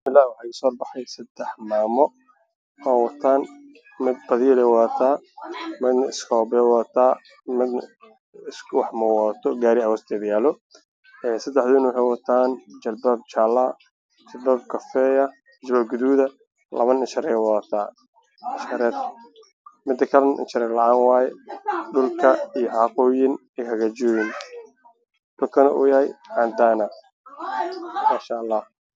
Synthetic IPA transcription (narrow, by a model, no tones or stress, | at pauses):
mɪlːaːwɑħɑːkasɔːrbɑħɑjsɐd̪̥ɛħmaːmɔ | hɔːwɐt̪ʰaːn | mɪd̪̚bɐðiːlɛwɐt̪ʰaː | mɪd̪nɐɪskʰɔːbɛwat̪ʰaː | mɪd̪ | swɑħmɔwɔt̪ʰɔɡaːɾɪɐwɔst̪ʰɛːd̪jaːlɔ | ɛːsɐd̪ɛħðʊɪnɔːħɛːwɐt̪ʰaːnt͡ʃɐlbab̚t͡ʃaːla | t͡ʃɐlbaːb̚kʰɐfɛːjɐ | t͡ʃbaːbɡʊðuːðɐ | lɐ̰βɐnɪnʃɐɾɛwɐðɐt̪ʰaː | ɪʃɐɾɛːr | mɪd̪ɐkʰɐlɐnʔɪ̰nt͡ʃɐɾɛːɾlɑʕaːnwɑːjɛɖʊlkʰɐijɔħɑːqɔːjɪn | ɪhɐɣat͡ʃɔːjɪn | ɖʊlkʰɐnɐʔṵːjɐhɛjʕaːnd̪aːnɐ | maːʃaʔɑlːɑːh